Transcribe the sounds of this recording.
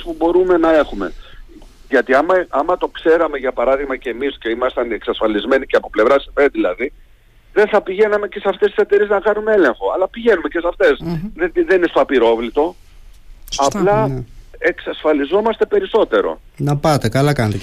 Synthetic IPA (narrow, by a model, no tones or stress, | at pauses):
spubo̞ɾume̞nɐe̞xume̞̰ | ʝɐt̪iɐmɐʔɐmɐt̪o̞kse̞ɾɐmeʝɐpɐɾɐðiɣmɐceːmisce̞imɐst̪ɐneksɐsfɐlizme̞niceɐpo̞ple̞vɾɐsifenðilɐði | ðe̞θɐpiʝe̞nɐme̞ce̞sɐft̪est̪i̥se̞t̪e̞ɾie̞znɐkɐnumee̞le̞ŋxo̞ɐ̰lɐpiʝe̞nume̞ce̞sɐft̪e̞seðeninest̪oɐpiɾo̞vlit̪o̞ | ɐplɐe̞ksɐsfɐlizo̞mɐst̪e̞pe̞ɾiso̞t̪e̞ɾo̞̰ | nɐpɐt̪ekɐlɐkɐnɐt̪e